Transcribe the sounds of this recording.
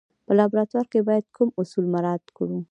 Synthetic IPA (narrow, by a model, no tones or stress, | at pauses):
pəlɑbɾɑt̪waɾkebɑjad̪̚kʰumʊsulmaɾɑd̪kɽu